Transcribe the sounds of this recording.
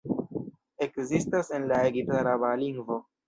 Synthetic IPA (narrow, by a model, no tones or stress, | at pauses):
ekzistase̞nlaeɡitaɾabaliŋɡvo